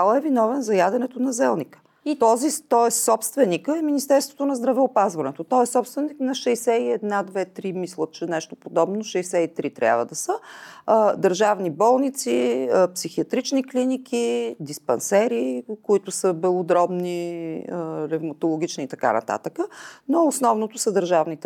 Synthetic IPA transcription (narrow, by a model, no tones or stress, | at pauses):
alˠɛvinɔvɛnzɐjad̪ɛnɛt̪onɐzɛlˠnikə̥ | t̪ɔzit̪ɔɛssɔpst̪vɛnikəɛminist̪ɛɾst̪vo̥t̪onɐzd̪ɾɐvɛopazvɐnɛt̪ot̪ɔɛssɔpst̪vɛniknɐʃɛjsɛiɛd̪nad̪vɛt̪ɾimislˠət̪t͡ʃɛnɛʃt̪opod̪ɔbnoʃɛjsɛit̪ɾit̪ɾʲʔa̰vəd̪ɐsə | d̪əɾʒavnibɔlˠnit̪siəpsixiɐt̪ɾit͡ʃniklinikʰid̪ispɛnsɛɾikoit̪ʊsəbɛlˠod̪ɾɔbniəɾɛvmɐt̪olˠoɡ̟ʲit͡ʃniːt̪ɐka̰nɐ̰t̪a̰t̪əkənoːsnɔvnot̪ʊsəd̪əɾʒavnit̪